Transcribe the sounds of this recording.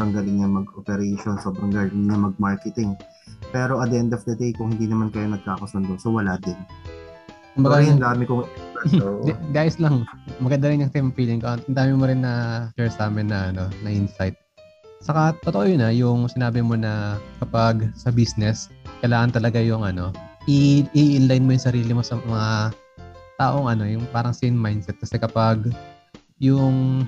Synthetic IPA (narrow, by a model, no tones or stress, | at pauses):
bɐŋɡɐlɪŋnɐmɐɡʔopɛɾejʃonsoːbɾɐŋɡɐlɪŋnɐmɐɡ̚maɹkɛt̪ɪŋ | pɛːɾo̞ʔɐd̪ɛɛnd̪ɐfd̪ɐd̪ejkʊŋhɪnd̪iːnɐmankɐjonɐɡ̚kaːkɐsʊnd̪oŋsowɐlaːd̪ɪn | kʊmbɐɡajʊŋd̪aːmɪkʊ | d̪d̪aːjɪslɐŋmɐɡɐnd̪ɐɾɪnjʊŋt̪imfiːlɪŋkoɐnd̪aːmɪmoɾɪnːɐt͡ʃɛɹsaːmɪnːɐʔɐno̞nɐʔɪnsajt̪̚ | sɐkat̪ːot̪oʔojʊnɐjʊŋsɪnaːbɪmo̞nɐkɐpaɡsɐbisnɛskɐjlaːŋɐnt̪ɐlɐɡajʊŋʔɐno̞ʔɪʔʔɪnlajnmo̞jʊŋsɐɾiːlɪmo̞sɐmɐŋa | t̪aːʔo̞ŋʔɐno̞jʊŋpaːɾɐŋsɪnmajnsɛt̪̚kɐsɛkɐpaɡ | jʊŋ